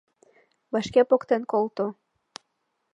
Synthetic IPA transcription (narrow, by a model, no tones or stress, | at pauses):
βɑʃkepokt̪enkolt̪o